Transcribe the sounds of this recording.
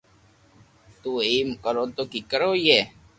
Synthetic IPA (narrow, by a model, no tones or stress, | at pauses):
t̪uːimkəɾot̪okikəɾoːje